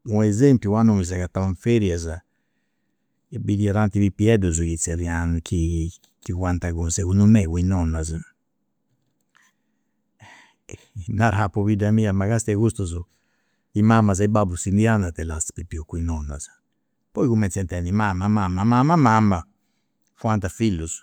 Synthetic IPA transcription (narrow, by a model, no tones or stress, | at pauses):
uɛzempjuwanomiz̬akat̪aaɱfɛɾjaza | bidiaɾant̪iβipiɛd̪uzujit͡sɛɾianukʰi | kiɡwant̪aɣunsekundumɛwinɔnːaza | naɾɦapːoβidamiamaɣast̪iɛɣust̪uzu | imamːazaibabusind̪iand̪at̪ɛlaspipiukːuinɔnːazḁ | pɔjkumɛnsɛnt̪ɛnimamamamamamamama | fuant̪afilːuz